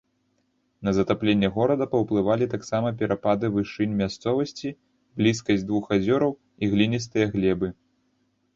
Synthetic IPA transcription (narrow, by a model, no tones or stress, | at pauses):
nɐzɐt̪aplʲenʲːɐɣɔɾɐd̪ɐpɐwplˠɨvalʲit̪aksamɐp̬ʲɛɾapad̪ɨvɨʂɨnʲmʲast̪sɔvɐsʲt͡sʲi | blʲiskɐsʲd̪vuxazʲɔɾɐw | iɣlʲinʲist̪ɨjɐɣlʲɛbɨ